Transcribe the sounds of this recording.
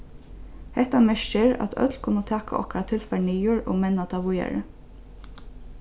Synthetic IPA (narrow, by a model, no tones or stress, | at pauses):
hɛt̪amɛʃɪɹɑ̰t̪ʰœ̰t̪lkʰʊnət̪ʰɑːka̰ʔɔ̰kaɾat̪ʰɪlfæɳijʊɹo̰ːmɛnat̪ʰɑʋʊja̰ɹə̰